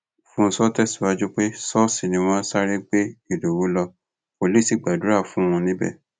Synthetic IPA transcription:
fũ˦n̩˧sɔ˦tɛ˦˨su˨˦wa˧d͡ʒu˦k͡pe˦sɔ˦si˨nĩ˨˧w̃ɔ̃˦sa˦ɾi˦k͡pe˦i˦˨do˨wu˨˦lɔ˧ | po˨li˦˨si˦˨ɡ͡ba˨du˨ɾa˦˨fũ˨˦w̃ɔ̃˧nĩ˦bɛ̰˦˨

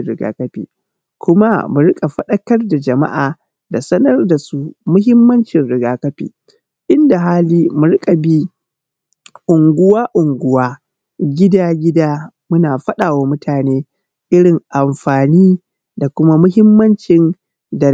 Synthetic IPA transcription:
ɾɪ˦˨ɡa̰ː˦kɐ˦ɸḭː˨ | kʷʊ˦ma˦mʊ˨ɾɪ˦kʼa˨ɸɐ˦ɗɐ˦kɐ˦rda˨d͡ʒɐ˨ma̰˦ʔaː˨ | da˨sɐ˦nɐ˦rda˨su˦mʊ˦hɪ˦mːɐ˦nt͡ʃɪ˨nɽɪ˦ɡaː˦kɐ˦ɸḭː˨ | ʔɪ˦nda˨ɦaː˦liː˦mʊ˨ɾɪ˦kʼa˨bi˦ | ʔʊ˨ŋɡʷʊ˦waː˦ʔʊ˨ŋɡʷʊ˦waː˦ | ɡʲɪ˦daː˦ɡʲɪ˦daː˦ | mʊ˦naː˨ɸɐ˦ɗaː˨waː˦mʊ˦tʰaː˨neː˦ | ʔɪ˦ɽɪ˨ŋʔa˨mɸaː˨niː˦ | da˨kʷʊ˦ma˦mʊ˦hɪ˦mːɐ˦nt͡ʃɪ˨n | dɐ˨

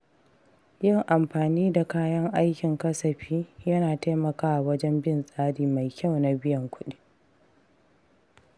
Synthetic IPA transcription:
jɪ˦˨ŋʔa˨mɸaː˨niː˦da˨kaː˦jɐ˦ŋʔa˦jkʲɪ˨ŋkɐ˦sɐ˨ɸiː˦jɐ˦naː˨ta˦jmɐ˨kaː˦ʔa˨wɐ˦d͡ʒɛ˦mbɪ˦˨nsʼaː˦ɽiː˨ma˨jkʲa˦˨wna˨bɪ˦jɐ˨ŋkʷʊ˦ɗi˦

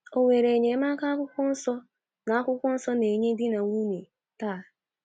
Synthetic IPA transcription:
o˨ŋe˨ɾe˨ɲe˨˦ma˦ka˦a˦kʷʊ˦kʷɔ˦n̩˦sɔ˦ | na˨a˦kʷʊ˦kʷɔ˦n̩˦sɔ˦ne˨ɲe˦dɪ˦na˨ŋʷu˦ni˨ | taː˦˨

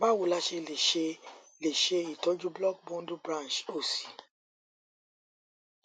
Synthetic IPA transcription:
ba˦wo˨la˦ʃe˧le˨ʃe˧ | le˨ʃe˧i˨tɔ˨˦d͡ʒu˦blɔ˦˨k̚bɔ̃˦ndu˦bɾã˦˨nt͡ʃo˦˨si̥˨

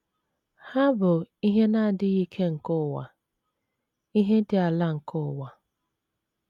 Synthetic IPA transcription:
ha˦bʊ˨i˦ɦe˦na˦˨dɪ˦ɣi˦kʰe˦ŋ̩˨kʊ˦˨wa̰˨ | i˦ɦe˦dɪ˦a˨la˦ŋ̩˨kʊ˦˨wa˨

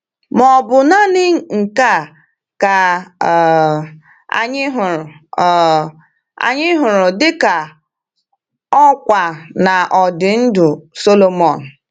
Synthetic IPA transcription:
mɔ˨bʊ˨na˦nɪ˦ŋ̩˨ŋ̩˨ka˦˨ | ka˨ | a̰˨ɲɪ˦ɦʊ˨ɾʊ˨˦˨ | a̰˨ɲɪ˦ɦʊ˨ɾʊ˨dɪ˦ka˨ | ɔ˦kʷa˨na˨ʔɔ˨dɪ˨n̩˦dʊ˨so˦lo˦mɔ˨n̩˨

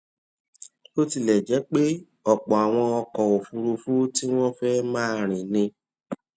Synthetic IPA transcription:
o˦ti˧˨lɛ˨d͡ʒɛ˨˦k͡pe˦ | ɔ˦˨k͡pɔ˨a˨w̃ɔ̃˧ɔ˧kɔ˨o˨fu˧ɾu˧fu˦ti˦w̃ɔ̃˦fɛ˦mãː˦ɾ̃ĩ˨nĩ˧

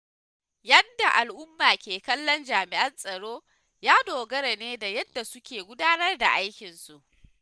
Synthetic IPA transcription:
jɐ˦nda˨ʔa˨lʔʊ˦mːaː˨kʲeː˨kɐ˦lːɔ˦nd͡ʒaː˨mɪ˨ʔɐ˦nsʼɐ˨ɽoː˦ | jaː˦doː˨ɡɐ˦ɾa˨neː˦da˨jɐ˦dːa˨sʊ˦kʲeː˨ɡʷʊ˦daː˦nɐ˦rda˨ʔa˦jkʲɪ˨nsu˨ʔ

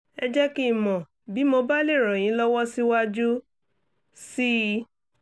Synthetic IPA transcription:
ɛ˧d͡ʒɛ˦ki˦˨mɔ̃˨ | bi˨˦mo˧ba˦le˦˨ɾ̃ɔ̃˨ĩ˨˦lɔ˦wɔ˦si˦wa˦d͡ʒu˦ | si˦

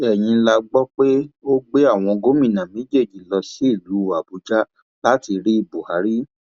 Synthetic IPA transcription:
ɛ˨j̃ĩ˧˦la˧ɡ͡bɔ˦k͡pe˦o˦ɡ͡be˦a˦˨w̃ɔ̃˧ɡo˦mĩ˦˨nã˨me˨˦d͡ʒe˦˨d͡ʒi˨lɔ˧si˦i˦˨lu˨˦˨a˨bu˨˦d͡ʒa˦ | la˦ti˧ɾi˦i˦˨bu˨ha˨˦ɾi˦

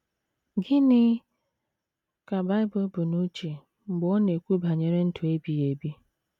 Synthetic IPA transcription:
ɡɪ˦nɪ˦ | ka˨ba˦ɪ˦bo˦bʊ˨nu˦t͡ʃe˨ | ŋ͡m̩˨ɡ͡bɔ˦ne˨kʷu˦ba˨ɲe˨ɾe˦n̩˦tʰu˨e˦bi˨je˨bi˦

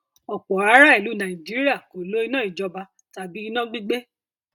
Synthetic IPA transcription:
ɔ˨k͡pɔ˨a˧˦ɾa˦i˨lu˨˦nã˨i˨d͡ʒi˦ɾi˦a˦˨ko˨lo˦i˧˦nã˦˨i˨d͡ʒɔ˧ba˧ | ta˨bi˦i˧nã˦ɡ͡bi˦ɡ͡be˦

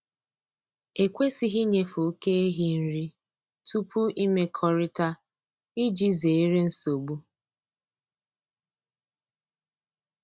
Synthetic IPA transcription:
e˨kʷe˦si˦ɦi˦ɲe˦fʊ˨˦ke˦e˦ɦi˦n̩˦ɾi˦ | tʰu˦pu˦ʔi˦me˦kʰɔ˦ɾɪ˦ta˦ | i˦d͡ʒi˦ze˨e˦ɾe˦n̩˦so˨ɡ͡bu˦

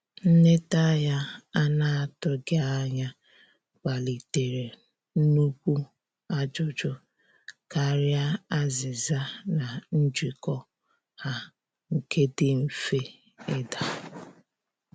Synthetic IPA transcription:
n̩˦ne˦ta˦ja˦a˦na˦a˨tʊ˦ɡe˦a˦ɲa˦ | ka˨li˨te˨ɾe˨ | n̩˦nu˦kʷu˦ | a˦d͡ʒʊ˨d͡ʒʊ˦ | ka˨ɾja˦a˦zɪ˨za˦na˨n̩˦d͡ʒi˨kɔ˦ | ha˦ | ŋ̩˨ke˦dɪ˦m̩˨fe˦ | ɪ˦da˨

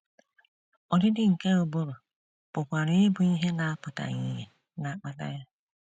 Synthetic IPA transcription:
ɔ˨dɪ˦dɪ˦ŋ̩˨ke˦o˨bo˦ɾo˨ | pʊ˨kʷa˨ɾɪ˦ɪ˦bʊ˨i˦ɦe˦na˨a˦pʊ˨ta̰˨ɲi˦ɲe˨ | na˨˦k͡pa˦ta̰˦ja˦

